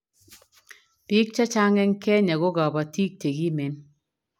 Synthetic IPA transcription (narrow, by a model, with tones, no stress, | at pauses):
pi˦k̚t͡ʃa˦t͡ʃa˦ŋɛ˦ŋ˦kɛ˦ɲa˨ɡo˦ɡa˨ba˨ti˦k̚te˨ɡi˦me˨˦n